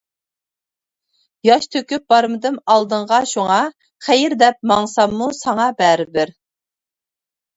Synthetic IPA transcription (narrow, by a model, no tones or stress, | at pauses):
jɑʃt̪ʰøkʲyp̚b̥ɑɾmɨd̪ɨmɑlˠd̪əɴʁɑʃuŋɑ | χɛjɪɾd̪ɛp̚mɑŋsɑmːusɑŋɑbɛɾɪbɪɾ